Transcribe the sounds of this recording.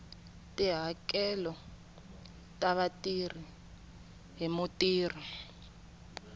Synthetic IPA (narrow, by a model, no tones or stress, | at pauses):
tʼiɦakɛlɔ | tʼaβatʼir̤i | ɦimutiːr̤i